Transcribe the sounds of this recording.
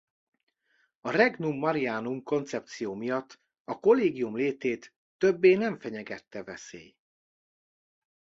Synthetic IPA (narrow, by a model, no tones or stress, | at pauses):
ɒrɛɡnumːɒɾijaːnumko̞nt̪sɛpt̪sijoːmijɒt̪ː | ɒko̞lːeːɡijumleːt̪eːt̪ː | ø̞bːeːnɛɱfɛɲɛɡɛt̪ːɛvɛsḛːj